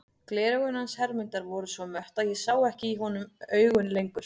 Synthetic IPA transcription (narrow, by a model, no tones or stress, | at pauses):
klɛːɾɣʏnhanshɛɾmɪnt̪aɾvɔɾʏsvɔmœht̪aðjɛsaːwɛhcɪiɦɔnʏmœːɥɣʏnlejŋkʏɾ̥